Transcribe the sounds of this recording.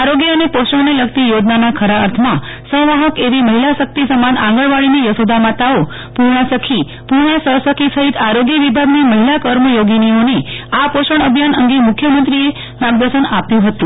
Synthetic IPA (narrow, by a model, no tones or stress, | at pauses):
aɾoɡjəənepoʃəɳneləɡt̪ijod͡ʒnanakʰəɾaəɾt̪ʰmã | sə̃ʋaɦəkeʋiməɦilasək̚t̪isəmanã̰ŋɡəɭʋaɭinijəsod̪ʱamãt̪ao | puɾɳəsəkʰi | puɾɳ̃asəsəkʰisəɦit̪aɾoɡjəʋibʱaɡniməɦilakəɾməjoɡinioniapoʃəɳəbʱjanəŋɡemʊkʰjəmənt̪ɾie | maɡd̪əɾʃənapjũɦət̪ũ